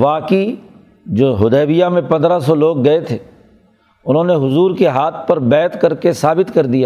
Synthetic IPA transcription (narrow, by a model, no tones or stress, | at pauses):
ʋaːki | d͡ʒoːɦʊd̪ɛːʋijamẽpɐ̃nd̪ɾasɔloːɡːɐet̪ʰeː | ʊnɦõːneɦʊzuːɾkeɦaːt̪ʰpɐɾbɛːt̪kɐɾkesaːbɪt̪kɐɾd̪ijaː